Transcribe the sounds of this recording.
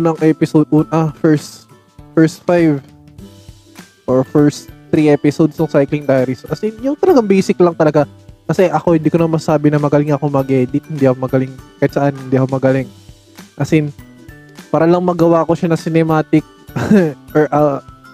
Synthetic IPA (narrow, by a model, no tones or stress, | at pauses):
unɐŋʔɛpɪsod̪̚ʔuːnɐfɛɹst̪ | fɛɹst̪̚fajv | ʔoɹfɛɹst̪t̪ɾiʔɛpɪsod̪snʊŋsajklɪŋd̪ajɐɾɪsʔɐsinjʊŋt̪ɐlɐɡaŋbɛjsɪklɐŋt̪ɐlɐɡakɐsɛʔɐko̞hɪnd̪iːkoɐmɐsɐsaːbɪnɐmɐɡɐlɪŋɐkomɐɡɛd̪it̪hɪnd̪iʔɐkomɐɡɐlɪŋkɐjat̪sɐʔanhɪnd̪iːʔɐkomɐɡɐlɪŋ | ʔɐsɪn | paːɾɐlɐŋmɐɡɐwaʔko̞ʃanɐsɪnɛmaːt̪ɪk̚ | ʔoɹʔɐ